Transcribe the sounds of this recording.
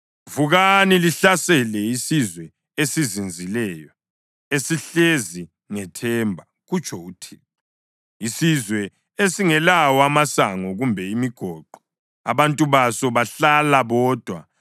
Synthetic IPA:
vuɣaniliɬasɛlɛisizwɛ | esizind͡zʱilɛːjɔ | esiɬezi | ŋɛtʰɛːmbʱa | ɣut͡ʃʰʼɔutʰiː | isizwɛ | esiŋɛlawɔamasaŋɔɣumbʱɛimiɡ̥ʱɔǃɔ | a̰βantʼuβasɔβaɬalaβɔːd̥ʱwa

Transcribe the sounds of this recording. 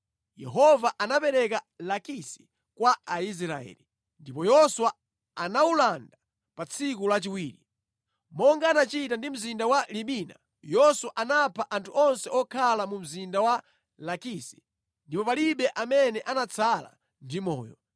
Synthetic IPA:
jɛ̰ɦɔvaʔanapɛɾɛka | lakisi̥ | kwaais̬ɾaɛ̰ːli | ndipɔjɔswa | anaulanda | pat͡sʰikulat͡ʃiwiːɾi | mɔŋɡaːnat͡ʃitandim̩zindawaliɓiːna̰ | jɔswaʔanapʰaʔantʰuʔɔnsɛɔkʰalamum̩zindawa | lakisi̥ | ndipɔpaliɓɛʔamɛnɛʔanat͡sʰala̰ | ndimɔ̰ːjɔ

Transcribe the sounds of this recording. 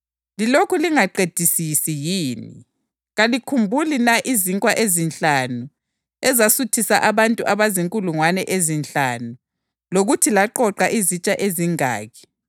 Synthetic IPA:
lilokʰuliŋaǃed̥ʱisisijiːnḭ | ɣalikʰumbʱulinaʔiziŋkʼwaʔezint͡ɬʼanu | ɛzasutʰisa̰ʔaβantʼuʔaβaziŋkʼuluŋwanɛʔezint͡ɬanu | loɣutʰilaǃɔǃaʔizit͡ʃʼaʔeziŋa̰ːɣʰɛ̥

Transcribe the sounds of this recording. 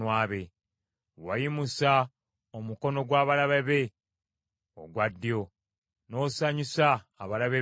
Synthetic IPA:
waːβe | wajimusa | omuko̞no̞ɡwaːβalaβeβe̞ | o̰ɡwadːjo̞ | no̞saɲisaː | βalaβe

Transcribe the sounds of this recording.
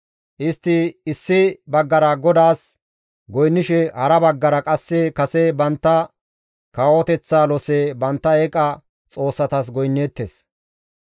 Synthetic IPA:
ʔɪst̪ːɪɪsːɪbɐɡːɐɾaɡɔd̪aːs | ɡɔjnːɪʃɛhɐɾɐbɐɡːɐɾɐkʼɐsːɛkɐsɛbɐnt̪ːɐ | kaːwɔt̪ɛt͡sːaːlɔsebɐnt̪ːɐɛkʼɐ | t͡sʼo̞ːsːɐt̪as̬ɡɔjnːeːt̪ːes

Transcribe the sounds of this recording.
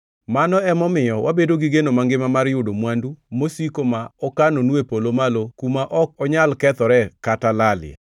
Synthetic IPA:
manɔɛmɔmɪjɔwʔabedoɡiɡenomaŋɡɪmamaɾjʊdomwandumosikomaɔkanonuepolomalokumaʔɔk̚ɔɲalkɛt̪ɔɾɛkatalalɪɛ̰

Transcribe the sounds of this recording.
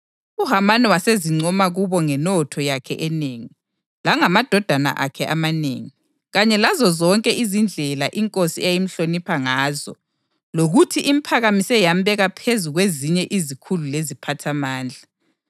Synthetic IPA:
uɦamanɛwaseziŋ͡ǀʱɔmaɣuβɔŋɛnɔtʰɔjakʰɛ̰ʔɛneːŋi | laŋamad̥ʱɔd̥ʱana̰ʔa̰kʰɛʔamanḛːŋi | ɣaɲɛlazɔzɔŋkʼɛʔizind͡ɮʱɛlaʔiŋkʼosiɛajim̩ɬonipʰaŋaːzɔ̰ | loɣutʰiʔim̩pʰaɣamisɛjambʱɛɣapʰezuɣweziɲɛʔizikʰululezipʰatʰamaːnd͡ɮʱa

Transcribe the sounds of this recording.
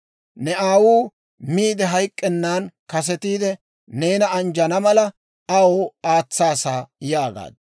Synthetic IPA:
nɛaːwuː | miːd̪ɛɦɐjkʼːɛnːaːnkɐs̬ɛt̪iːd̪ɛ | ne̞ːnɐɐnd͡ʒɐnɐmɐlɐ | ɐwoːaːt͡sːaːsaːjaːɡa̰ːd̪

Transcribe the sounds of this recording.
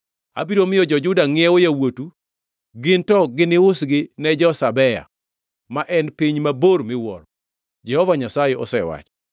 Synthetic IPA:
a̰biɾomɪjɔd͡ʒɔd͡ʒʊdaŋɪɛojawotu | ɡɪntɔɡɪnɪʊsɡɪnɛd͡ʒɔsabɛja̰ | maʔɛnpiɲmaboɾmɪwɔ̰ɾ | d͡ʒɛhɔvaɲasajɛɔ̰sɛwa̰t͡ʃɔ̥

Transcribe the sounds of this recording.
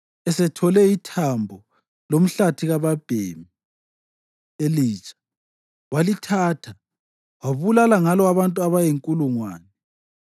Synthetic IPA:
ɛsɛtʰɔlɛitʰambʱɔ | lom̩ɬatʰiɣaβab̥ʱeːmi | eliːt͡ʃʼḁ | walitʰaːtʰa | waβulalaŋalɔaβantʼuaβajeŋkʼuluŋwaːnɛ

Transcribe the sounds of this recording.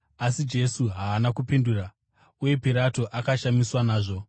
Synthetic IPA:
asid͡ʒe̞suɦaːnakupinduːɾa | uje̞piɾato̞ʔakaʃamiswanaːʐo̞

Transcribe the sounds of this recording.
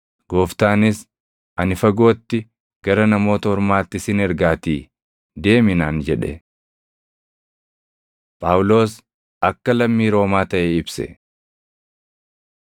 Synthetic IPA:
ɡ̥oːft̪aːnɪs | ʔɐnɪfɐɡo̞ːt̪ːɪ | ɡ̥ɐɾɐnɐmo̞ːt̪ɐhɔɾmaːt̪ːɪsɪnɛɾɡaːt̪iː | d̪e̞ːmɪnaːnd͡ʒɛᶑɛ̰ | pʼaːwʊlo̞ːs | ɐkːɐlɐmːiːɾo̞ːmaːt̪ɐʔeːɪbsɛ̰

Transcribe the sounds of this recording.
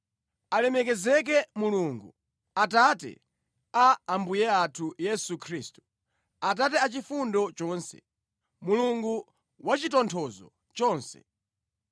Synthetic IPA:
alɛmɛk̬ɛzɛk̬ɛmuluŋɡu | atatɛ̰ | aːmbujɛatʰujɛsukʰɾiːstu̥ | atatɛat͡ʃifundɔt͡ʃɔːnsɛ̰ | muluŋɡu | wat͡ʃitɔntʰɔzɔ̰ | t͡ʃɔːnsɛ̰

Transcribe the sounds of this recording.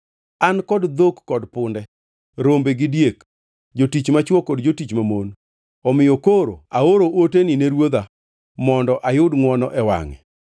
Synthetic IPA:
ankɔdd̪okːɔdpʊndɛ | ɾombeɡɪdjek | d͡ʒotit͡ʃmat͡ʃwɔkɔdd͡ʒotit͡ʃmamon | ɔmɪjokoɾo̰aoɾoʔotenɪneɾwod̪a | mɔndɔʔajʊdŋwɔnɔ̰ʔɛwa̰ŋɛ̰

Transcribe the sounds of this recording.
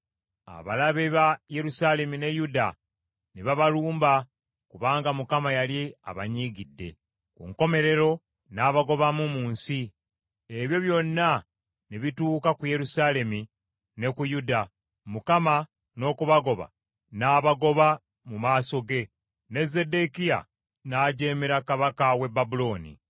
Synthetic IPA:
a̰βa̰laβeβaje̞ɾusaːle̞mine̞juda̰ | niβaβaluːmba | kuβaːŋɡamukamajalea̰βa̰ɲiːɡidːe̞̰ | kṵŋko̞me̞ɾe̞ɾo̞ | naːβaɡo̞βamumuːnsi | eβjo̞βjo̞nːa | niβituːkakuje̞ɾusaːle̞mi | ne̞kujuda | mukama | no̞ːkuβaɡo̞βa̰ | naːβaɡo̞βa | mumaːso̞ɡe̞ | ne̞ze̞de̞kija̰ | naːɟe̞ːmeɾakaβakawe̞bːabulo̞ːnḭ

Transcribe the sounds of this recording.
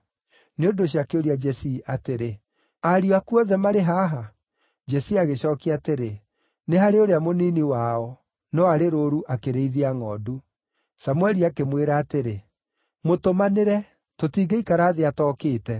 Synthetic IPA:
neodoɕ̬iakeoɾiad͡ʒɛsiateɾe | aɾioakuɔðɛmaɾeɦaːɦa | d͡ʒɛsiaɣeɕɔːkiateɾe | neɦaɾeoɾeamoniːniwaɔ | nɔaɾeɾoɾuʔakeɾeiðeaŋɔdu | samwɛɾiakemweɾaːteɾe | motomaneɾɛ | totiːɡeikaɾaːðeatɔːkeːtɛ

